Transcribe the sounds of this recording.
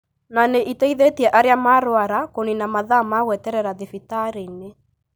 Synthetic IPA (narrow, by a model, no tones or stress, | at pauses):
naneʔitɛiðetiɛʔaɾeamaɾoaɾakoninamaðamaɣwɛtɛɾɛɾaðefitaɾine